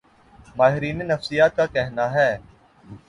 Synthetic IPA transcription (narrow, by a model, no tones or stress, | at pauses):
maːɦɪɾiːnenɐfsɪjaːt̪̚kakɛɦnaɦɛː